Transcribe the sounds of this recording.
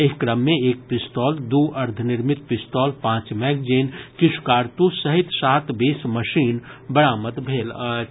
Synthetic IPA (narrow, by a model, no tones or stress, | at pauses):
eːkɾəmːẽeːk̚pɪst̪ɔːld̪uːʔɐɾd̪ʱənɪɾmɪt̪pɪst̪ɔːlpãːt͡ʃmɛːɡd͡ʒeːnkɪʃʰkaːɾt̪usəɦɪt̪saːt̪beːsməʃiːnbɐɽaːmət̪bʱeːl